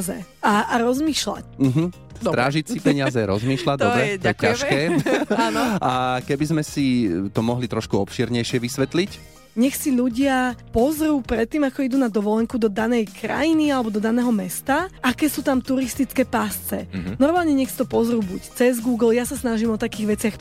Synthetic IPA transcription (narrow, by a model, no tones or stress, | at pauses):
zɛ̰aaɾɔzmiːʃla̰cm̩ɦ̩ | st̪ɾa̰ːʒicsipɛɲɪazɛɾɔzmiːʃlaɟd̪ɔɾɛɛaɛcaʃkɛːanɔakɛbizmɛsit̪ɔmɔɦlit̪ɾɔʃkuɔpʃiɛɾɲɛjʃɪɛʋisʋɛt̪lic | ɲɛxsiʎuɟɪapɔzɾuːpɾɛt̪ːiːmakɔid̪uːnad̪ɔʋɔlɛŋkud̪ɔd̪anɛjkɾa̰jinialɛbɔd̪ɔd̪anɛːɦɔmɛst̪aakɛːsuːt̪amt̪uɾist̪it͡skɛːpast͡sɛnɔɾmaːlɲɛɲɛxsit̪ɔpɔzɾuːbuct͡sɛzɡuːɡl̩jasasnaʒimɔt̪akiːɣʋɛt͡sɪax